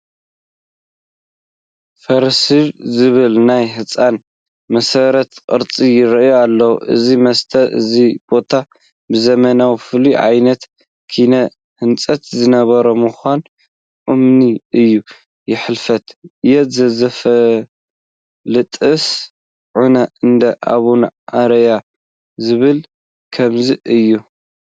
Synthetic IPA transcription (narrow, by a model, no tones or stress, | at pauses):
fɐɾsɨlzɨβɨlnajhɨt͡sʼan | mɐsɐɾɐt̪kʼɨ̰ɾt͡sʼijɪɾɐʔjoalːɐwuʔɨ̰zimɐst̪ʰɐʔɨ̰zib̥o̞t̪ʰa | bɨzɐmɐnawifɨliʕa̰jnɐt̪ | kʰinɐ | hɨnt͡sʼɐt̪zɨnɐβɐɾomɨxʷan | ʔumniɨjːu | jɪħɨlfɐt̪jɛt̪zɐzɐfɐ | lɨt̪ʼɨs | ʕunɐɨnd̪ɐʔa̰βunʔaɾɐja | zɨβɨl | kʰɐmziʔɨjːu